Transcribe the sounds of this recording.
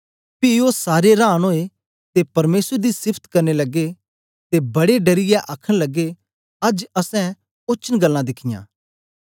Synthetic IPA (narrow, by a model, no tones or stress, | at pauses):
pioːsaːɾeɾaːɽ̃ɦoːe | t̪epɐɾmeːsɾd̪isɪpʰt̪kɐɾnelɐɡe | t̪ebɐɽeɖɐɾɪjeʔaːkʰəɽ̃lɐɡe | ɐd͡ʒɐsɛ̃ | ʊːt͡ʃʰənɡɐlːãd̪ɪkʰɪjã̰ː